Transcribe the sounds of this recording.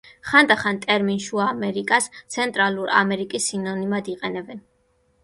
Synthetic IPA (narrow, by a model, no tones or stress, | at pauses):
χand̪aχant̪ʼɛɾminʃuamɛɾikʼast̪sʰɛnt̪ʼɾalˠuɾa̰mɛɾikʼisːinɔnimad̪iqʼɛnɛbɛn